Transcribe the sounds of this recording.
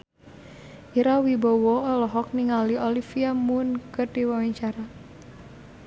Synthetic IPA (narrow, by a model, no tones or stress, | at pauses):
ʔiɾawibowɔɔlɔɦɔk̚niŋaliɔlifiamunkədiwawaɲt͡ʃaɾa